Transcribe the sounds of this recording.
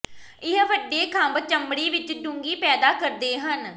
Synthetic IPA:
ɪɦʋəɖːeːkʰəmbt͡ʃəmːɽiːʋɪt͡ʃɖʊ̃ŋɡiːpɛːd̪aːkəɾd̪eːɦən

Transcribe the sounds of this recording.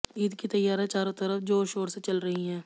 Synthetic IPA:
iːd̪kit̪ɐjːaːɾɦɛt͡ʃaːɾõt̪ɐɾəfd͡ʒoːɾʃoːɾset͡ʃɐlɾɐɦiɦɛ̃ː

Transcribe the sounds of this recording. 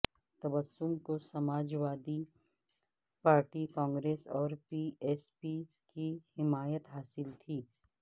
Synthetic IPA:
t̪ɐbəsːʊmkosɐmaːd͡ʒʋaːd̪i | paːɾʈikãːŋɡɾeːsɔːɾpiːɛːspi | kihɪmaːjət̪ɦaːsɪlt̪ʰiː

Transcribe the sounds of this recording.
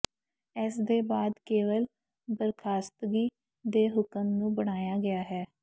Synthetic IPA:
ɛːsd̪eːbaːd̪keːʋəl | bəɾkʰaːst̪ɡiː | d̪eːɦʊkəmnũːbəɽ̃aːjaːɡɪjaːɦɛː

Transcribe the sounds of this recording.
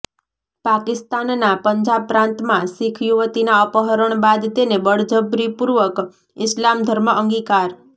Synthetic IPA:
pakɪst̪anːapəɲd͡ʒab̚pːɾãnt̪mãsɪkʰjuʋət̪inaəpəɦəɾəɳ̃bad̪t̪enebəɽd͡ʒəbɾipuɾʋək | ɪslamd̪ʱəɾməʔəŋɡikaɾ

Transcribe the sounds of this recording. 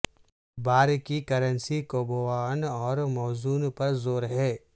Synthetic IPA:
baːɾkikɐɾənsikoːboaːnɔːɾmɔːzuːnpɐɾzoːɾɦɛː

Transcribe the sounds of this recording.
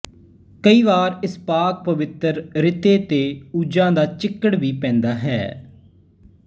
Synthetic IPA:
kəiːʋaːɾɪspaːk̚pəʋɪt̪əɾɾɪt̪eːt̪eːuːd͡ʒãːd̪aːt͡ʃɪkːəɽʋiːpɛ̃ːnd̪aːɦɛ̰ː

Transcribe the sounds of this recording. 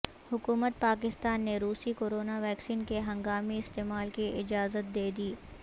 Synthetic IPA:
hʊkuːmət̪̚paːk̬ɪst̪aːnːeɾuːsikoːɾoːnaʋɛːksiːnkeɦɐ̃ŋɡaːmiɪst̪eːmaːlkiʔɪd͡ʒaːzət̪̚d̪eːd̪iː

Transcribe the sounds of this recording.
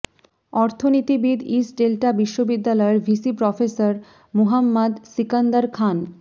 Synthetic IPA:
ɔɾt̪ʰonit̪ibid̪isɖelʈabiʃːobid̪ːalɔeɾbʱisipɾɔfesaɾ | muɦamːad̪sikand̪aɾkʰan

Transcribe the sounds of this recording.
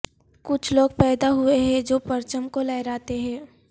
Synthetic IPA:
kʊt͡ʃʰloːɡ̚pɛːd̪aɦʊeɦɛ̃d͡ʒoːpɐɾt͡ʃəmkolɛːɪɾaːt̪eɦɛ̃ː

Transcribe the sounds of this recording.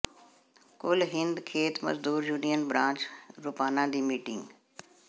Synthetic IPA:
kʊlɦɪ̃nd̪kʰeːt̪mɐ̰zd̪uːɾjuːnijənbɾãːt͡ɕɾʊpaːnãːd̪iːmiːʈɪ̰̃ŋɡ

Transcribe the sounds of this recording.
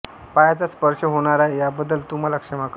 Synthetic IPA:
pajat͡saspəɾʂəɦoɽ̃aɾajabəd̪ːəlt̪um̤alakʂəmak

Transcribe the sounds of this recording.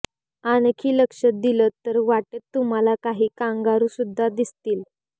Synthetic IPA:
ankʰiːləkʂət̪̚d̪ilət̪ːəɾʋaʈət̪ːum̤alakaɦiːkãŋɡaɾũːsud̪ʱːad̪ist̪iːl

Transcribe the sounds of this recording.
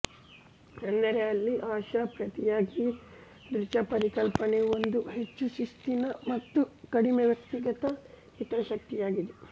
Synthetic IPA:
kɐnːɐɾeɐlːiʔaːʃɐpɾɐt̪ijaːɡi | d̪ɾit͡ʃɐpɐɾikɐlpɐneo̞nd̪uɦet͡ʃːuʃust̪inɐmɐt̪ːukɐɽimeʋjɐk̚t̪iɡɐt̪ɐ | hit̪ɐɾɐʃɐk̚t̪ijaːɡid̪e

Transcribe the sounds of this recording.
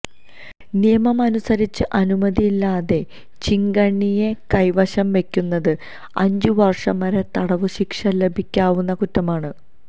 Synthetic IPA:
nijɐmɐmɐnusɐɾit͡ɕːɨʔɐnumɐðijːlːaːðe̞ | t͡ɕiŋɡɐɳːijekɐjʋɐɕɐmʋe̞kʲːunːɐðɨ | ɐɲd͡ʑuʋɐrʂɐmɐɾet̪ɐɽɐʋɨɕikʂɐle̞bʱikʲːaːʋunːɐkutːɐmaːɳɨ

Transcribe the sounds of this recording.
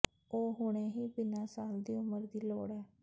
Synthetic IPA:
oːɦʊɽ̃eːɦiːbɪnãːsaːld̪iːʊməɾd̪iːloːɽɛː

